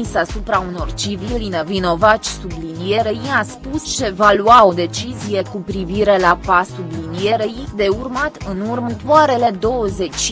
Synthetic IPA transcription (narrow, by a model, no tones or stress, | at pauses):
isəasupɾauno̞rt͡ʃivilinevino̞vat͡ʃʲsublinije̞ɾejiaspust͡ʃe̞valuao̞d̪e̞t͡ʃizije̞kupɾiviɾe̞lapasublinije̞ɾejid̪e̞urmat̪ɨnurmənt̪uaɾe̞le̞d̪o̞wəze̞t͡ʃʲ